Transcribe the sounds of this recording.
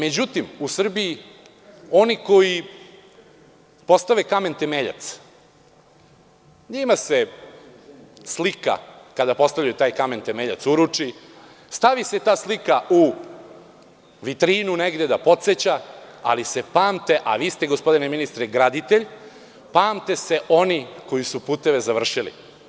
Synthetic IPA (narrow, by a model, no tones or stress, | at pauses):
me̞d͡ʑut̪imusr̩bii | o̞niko̞ji | po̞st̪aʋekame̞nt̪emeʎa̰t̪s | ɲimase | slika̰kad̪apo̞st̪aʋʎajut̪aːjkament̪emeʎa̰t̪suɾut͡ʂi | st̪aʋise̞t̪aːslikau | ʋit̪ɾiːnuneɡd̪ed̪apo̞t̪set͡ɕaa̰lisepaːmt̪e̞ʔa̰ʋiːst̪eɡo̞spo̞d̪ineminist̪ɾeɡɾad̪it̪eʎ | paːmt̪e̞se̞ʔo̞niko̞jisupuːt̪eʋe̞zaʋr̩ʃilḭ